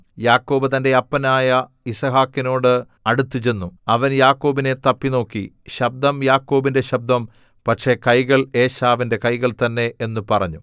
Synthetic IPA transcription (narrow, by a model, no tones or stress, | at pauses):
jaːkːo̞ːbɨt̪ɐnde̞ɐpːɐnaːjɐ | isɐɦaːkːino̞ːɽɨ | ɐɽut̪ːit͡ɕe̞nːuɐʋɐnjaːkːo̞ːbine̞t̪ɐpːino̞ːkːḭ | ɕɐb̚d̪ɐmjaːkːo̞ːbinde̞ɕɐb̚d̪ɐm | pɐʈʂe̞kɐjɣɐɭe̞ːɕaːʋinde̞kɐjɣɐɭt̪ɐnːe̞enːupɐrɐɲːu